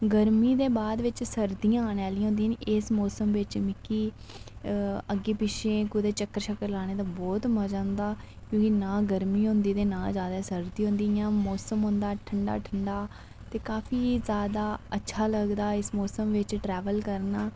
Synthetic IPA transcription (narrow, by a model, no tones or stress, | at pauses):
ɡəɾmiːd̪eːbaːd̪ʋɪt͡ʃsəɾd̪ijãːnaːlij̃ːɦʊ̃nd̪ijãːnɪsmɔːsəmʋɪt͡ʃmɪkiː | əɡːeːpɪʃʰẽːkʊd̪eːt͡ʃəkːəɾʃəkəɾlaːɽ̃eːt̪ãːbɔːt̪məd͡ʒãːnd̪aː | kjõːkinãːɡəɾmiːɦʊ̃nd̪iːt̪eːnãːlzjaːd̪aːsəɾd̪iːɦʊ̃nd̪iːjãːmɔːsəmɦʊ̃nd̪aːʈʰəɳɖa̰ːʈʰəɳɖaː | t̪eːkaːfʰiːzjaːd̪aːətːʃʰaːləɡd̪aːɪsmɔːsəmʋɪt͡ʃʈɾɛːʋəlkəɾnaː